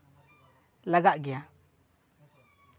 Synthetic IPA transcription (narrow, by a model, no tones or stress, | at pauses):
laɡaʔɡɛja